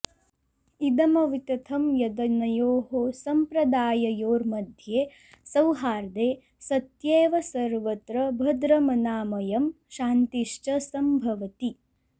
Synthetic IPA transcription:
id̪ɐmɐʋit̪ɐt̪ʰɐmjɐd̪ɐnɐjoːɦosɐmpɾɐd̪aːjɐjoːɾmɐd̪ʱjeː | sɐwɦaːɾd̪eː | sɐt̪jeːʋɐsɐɾʋɐt̪ɾɐbʱɐd̪ɾɐmɐnaːmɐjɐm | ʃaːnt̪iʂt͡ʃɐsɐmbʱɐʋɐt̪i

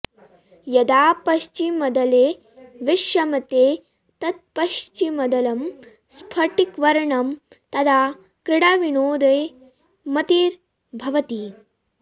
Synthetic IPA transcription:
jɐd̪aːpɐʃt͡ʃimɐd̪ɐleː | ʋɪʃjɐmɐt̪eː | t̪ɐt̪̚pɐʃt͡ʃimɐd̪ɐlɐm | spʰɐʈikʋɐɾɐɳɐm | t̪ɐt̪ʰaː | kɾɪɽaːʋinoːd̪ɐj | mɐt̪iːɾ | bʱɐʋɐt̪i

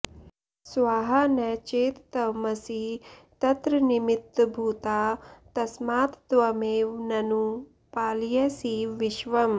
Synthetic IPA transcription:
sʋaːɦɐnɛːt͡ʃeːt̪t̪ɐmɐsiːt̪ɐt̪ɾɐnimit̪ːbʱuːt̪aːt̪ɐsmaːt̪t̪ʋɐmeːʋnɐnu | paːljɐsiʋiʃʋɐm

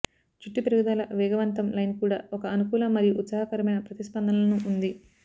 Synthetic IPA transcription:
t͡ʃuʈːipɾɐɡɐd̪aːlɐʋɛːɡɐʋɐnt̪ɐmlɐjnkuːɽa̰ːɔkɐːnukuːlɐmːɐɾijuʔut̪saːɦɐkɐɾɐmɐjnɐpɾɐt̪ispɐnd̪ʱɐnɐlɐnuʔːnd̪i

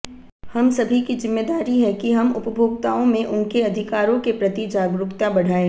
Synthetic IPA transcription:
hɐmsɐbʱikizɪmːeːd̪aːɾiɦɛkiɦɐmʊpəbʱoːɡ̚t̪aːõmẽʔʊnkeɐd̪ʱɪkaːɾõkepɾɐt̪id͡ʒaːɡɾʊkt̪abɐɽ̤aːẽ

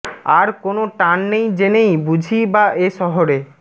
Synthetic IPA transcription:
aɾkonoʈanːejd͡ʑenejbud͡ʑʱibaʔeʃɔɦoɾe

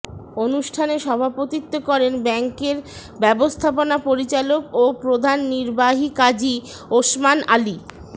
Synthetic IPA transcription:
onuʃʈʰaneʃɔbʱapot̪it̪ːokɔɾenbɛŋkeɾ | bɛbost̪ʰaponapoɾit͡ɕalokopɾod̪ʱanːiɾbaɦikad͡ʑi | oʃmana̰li

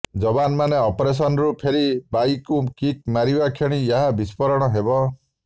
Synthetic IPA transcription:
d͡ʒɔbanmaneɔpɔɾes̬ɔnɔɾupʰeɾibajkukik̚maɾibakʰeɽ̃iaɦabispɔɾɔɽ̃ɔɦebɔ

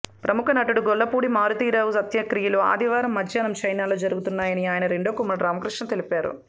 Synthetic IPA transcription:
pɾʔɐmukʰɐnɐʈuɽuɡɔɭːɐpuːɽimaːɾut̪iːɾɐːʋusɐt̪jɐkɾijɐloːa̰ːd̪ʱiʋaːɾɐmːɐd̪ʱjɐnɐmt͡ʃɐjnaːloːd͡ʒɐɾuɡut̪unːaːjɐniaːjɐnɐɾeɳɖoːkumːɐnɐɖɾaːmɐkɾiʂʈɳɐt̪e̞lipaːɾṵ

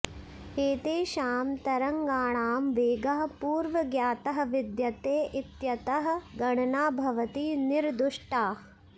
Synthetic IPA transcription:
eːt̪eːʃaːmt̪ɐɾɐŋɡaːɳaːmʋeːɡɐɦɐ̆puːɾʋɐɡjaːt̪ɐɦɐ̆ʋid̪jɐt̪eːʔit̪jɐt̪ɐɦɐ̆ɡɐɳɐnaːbʱɐʋɐt̪iniɾd̪uʂʈaː

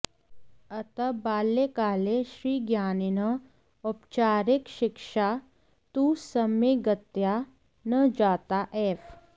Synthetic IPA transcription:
ɐt̪ɐbaːlːekaːleʃɾiːɡjaːnɪnɐ | ʊpt͡ʃaːɾɪkʃɪkʃa | t̪usɐmeɡɐt̪ja | nɐd͡ʒaːt̪aʔeːf

